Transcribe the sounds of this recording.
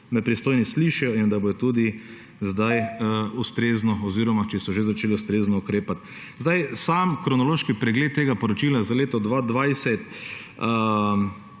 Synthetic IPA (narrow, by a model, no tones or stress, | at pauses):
mɛpɾist̪oːjnisliʃɛjɔind̪abojɔt̪uːd̪i | zd̪ajust̪ɾeːznɔɔziːɾɔmat͡ʃɛsɔʒezat͡ʃeːliust̪ɾeːznɔukɾeːpat̪ | zd̪ajsamkɾɔnɔloːʃkipɾɛɡlet̪̚ːeːɡapɔɾɔt͡ʃiːlazaleːt̪ɔd̪ʋad̪ʋajsɛt̪